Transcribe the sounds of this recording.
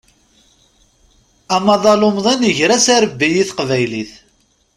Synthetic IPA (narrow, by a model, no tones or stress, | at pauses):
æmɑðˤɑlʊmðˤænəʝɾæsæɾəbːijiθqvæjliθ